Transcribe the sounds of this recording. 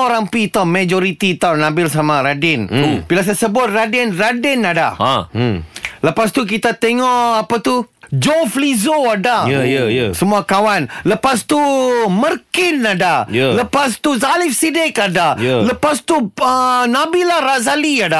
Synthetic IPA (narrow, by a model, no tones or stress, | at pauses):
oɾampit̪awmad͡ʒoɾit̪iːt̪awnabilsamaɾadɪnbilas̬ajasəbʊt̪̚radɛnradɛnada̰a | ləpast̪uk̬it̪at̪eŋɔʔapat̪u | d͡ʒoflizoadajsəmuakawanləpast̪umərkɪnadajləpast̪uzalifsidɛkadajləpast̪uənabilahrazaliada